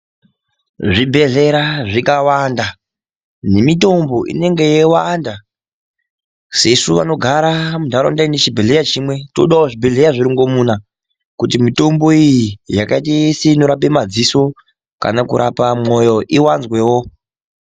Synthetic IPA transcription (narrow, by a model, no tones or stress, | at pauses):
ʐibʱe̞ɮe̞ɾaʐikawanda | ne̞mito̞mbo̞ʔḭne̞ŋɡe̞jewanda | sesuʋa̰no̞ɡʱaɾamudʱaɾo̰ndainet͡ʃibʱeɮe̞jat͡ʃimwe̞to̰ɗaoʐibʱe̞ɮejaʐiɾiŋɡo̞muna | kutimito̞mbo̞ijijakaitajeseino̞ɾap̬e̞mad͡ziso̞ | ka̰nakuɾʔa̰pamo̞jo̞ʔiwanzwe̞wo